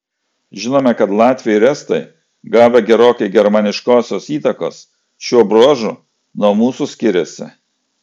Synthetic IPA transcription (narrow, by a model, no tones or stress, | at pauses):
ʒʲɪnoːmʲɛkɐt̪lˠɑːt̪ʲʋʲɪjɛɪɾʲɛst̪ɐɪ | ɡɑːʋʲɛɡʲɛɾoːkʲɐɪɡʲɛɾmɐnʲɪʃkoːsʲoːsiːt̪ɐko̰ːs | ʃʲuɔbɾoːʒṵː | nuɔmuːsusʲkʲɪɾʲɛsʲɪ̰